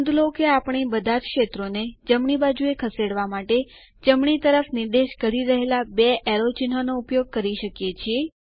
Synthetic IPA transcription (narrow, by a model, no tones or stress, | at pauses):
d̪lokeapɳ̃ibəd̪ʱad͡ʒkʃet̪ɾoned͡ʒəmɳibad͡ʒuekʰəseɽʋamaʈe | d͡ʒəmɳit̪əɾəfnɪɾd̪eʃkəɾiɾəɦelabeʔɛɾot͡ʃinɦanoupjoɡ̚kəɾiʃəkjet͡ʃʰie